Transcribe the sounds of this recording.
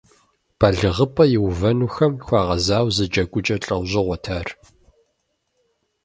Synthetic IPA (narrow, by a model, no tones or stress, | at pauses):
b̥ɐɮɨʁəpʼɐjɪwvɐnuːxɐmxʷɑːʁɐzaːwzɨd͡ʒɐkʷʼʊd͡ʒʼɐɬʼɐwʑɪʁʷɔtʰaːr